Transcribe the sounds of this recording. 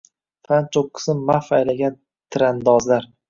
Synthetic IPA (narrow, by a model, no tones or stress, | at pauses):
fʰant͡ʃʰokʰːɨ̥sɪmːafajlaɡʲan | t̪ʰɪɾand̪ɒzlaɾ